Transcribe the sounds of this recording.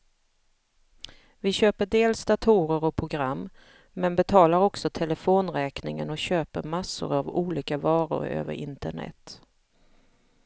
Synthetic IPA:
vɪɕøːpəɖeːlsd̪̥at̪ʰuːɾəɾɔpʰɾʊɡɾamː | mɛnbɛt̪ʰɑːlaɾɔksɔt̪ʰɛlɛfoːnɾɛːknɪŋənɔɕøːpəɾmasːʊ̰ɾavuːliːkavɑːɾʊ̰ɾø̰ːvə̰ɾɪnt̪əɳɛ̰t̪

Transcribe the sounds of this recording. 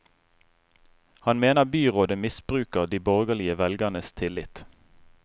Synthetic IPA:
hɑnmeːnəʁbyːʁoːd̪əmɪsb̥ʁʉːkəʁd̪iːbɔʁɡəlɪəʋɛlɡəʁnəst̪ʰɪlɪt̪

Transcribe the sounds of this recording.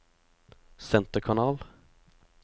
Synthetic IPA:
sɛnt̪əɾkʰanɑːl

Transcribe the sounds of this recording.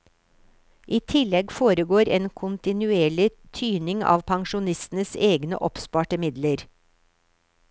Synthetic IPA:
ʔiːt̪ʰɪlɛɡfoːɾəɡoːɾeːnkʰʊnt̪ɪnʉeːɭɪt̪ʰyːnɪŋɑ̰ːʋpʰɑŋʃʊnɪst̪n̩əseːɡnə̰ʔɔpspɑːʈəmɪd̪ləɾ

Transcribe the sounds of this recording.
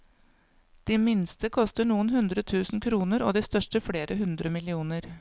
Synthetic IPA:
d̪̥iːmɪnst̪əkʰɔst̪əɳuːənhʉnd̪ɾət̪ʰʉːsn̩kʰɾuːnəɾo̰ːd̪iːst̪œʂʈəfɽeːɾʔəɦʉnd̪ɾəmɪlɪuːnəɾ

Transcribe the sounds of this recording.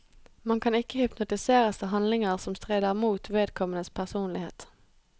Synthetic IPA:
mɑŋkʰɑnɪkːəhʏpnʊt̪ɪseːʁəst̪ɑɦɑnlɪŋəʁsɔmst̪ʁeːd̪əʁmuːt̪ʰʋeːd̪̚kʰɔmənəspʰæʁsuːnlɪhḛːt̪

